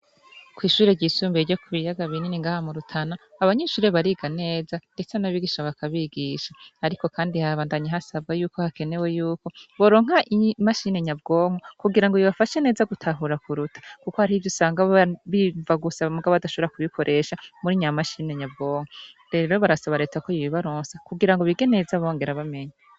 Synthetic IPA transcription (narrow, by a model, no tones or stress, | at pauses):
kwiːʃuːɾe̞ɟiːsuːmbeɾɟo̞kuβijaɡaβininiŋɡaːhamuɾutʰanaːβaɲeːʃuːɾe̞βaɾiɡane̞ːzande̞t͡senaβiɡiʃaβakʰaβiɡiʃaːɾiko̞kaːndihaβaːndaɲaɦasab̚ɡajuːkohake̞ne̞we̞juːko̞βo̞ɾo̞ːŋ̥ɦaʔimaʃine̞ɲabɡo̞ːŋ̥okuɡiɾaŋɡojiβafaʃe̞ne̞ːzaɡutʰaɦuɾakʰuɾutʰḁkuko̞haɾiːvjosaːŋɡaβivaɡusamuɡaβaadaʃoβoɾakuβikʰo̞ɾʔe̞ʃamuɾiɲamaʃiːne̞ɲabɡo̞ːŋ̥oɾe̞ːɾo̞βaɾasaβaɾe̞ːtakojiβiβaɾoːnsakuɡiɾaŋɡoβiɡe̞ne̞ːzaβoːŋɡe̞ɾaβame̞ɲa